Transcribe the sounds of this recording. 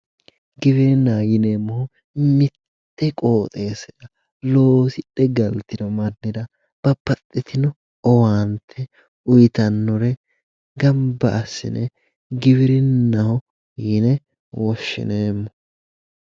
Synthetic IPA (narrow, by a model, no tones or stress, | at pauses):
ɡɪβɪɾɪnːaːjɪneːmːɔhʊ | mɪt̪ːɛkʼo̞ːt̪ʼe̞ːsɪd̪ɐ | loːsɪᶑːɛɡɐlt̪ɪd̪ɔmɐnːɪd̪ɐ | b̥ɐpːɐt̪ʼːɪt̪ɪnɔ | ɔwaːnt̪ʰːɛ | ʊjt̪ɐnːɔɾɛ | ɡɐmbɐʔːsːɪ̰nɛ | ɡɪβɪɾɪnːɐhɔ | jɪnɛ | wɔʃːɪ̰ne̞ːmːɔ